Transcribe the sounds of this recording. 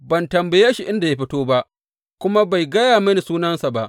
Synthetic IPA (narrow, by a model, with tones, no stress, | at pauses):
bɐ˨ntɐ˨mbɐ˨jeː˦ʃi˨ʔɪ˦nda˨ja˦ɸ̬ɪ˦toː˦ba˦ʔ | kʷʊ˦ma˦ba˨jɡɐ˦jaː˨mɐ˦ni˨suː˦nɐ˦nsa˨ba˦ʔ